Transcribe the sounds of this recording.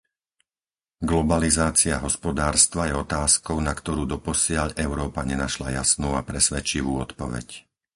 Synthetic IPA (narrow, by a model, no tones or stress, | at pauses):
ɡlɔbalizaːt͡siaɦɔspɔd̪aːɾst̪ʋajɛɔt̪aːskɔʊnakt̪ɔɾuːd̪ɔpɔsɪaʎɛʊɾɔːpaɲɛnaʃla̰jasnuːapɾɛsʋɛt͡ʃiʋuːɔt̪pɔʋɛ̰c